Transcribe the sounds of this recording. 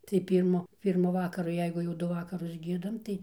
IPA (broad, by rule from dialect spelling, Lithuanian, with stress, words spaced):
tɐɪ ˈpʲiːrmʊ ˈpʲiːrmʊ ˈʋɑːkɐrʊ ˈjɛɪɡʊ jɛʊ ˈdʊ ˈʋɑːkɐrʊs ˈɡʲiɛdɐm tɐɪ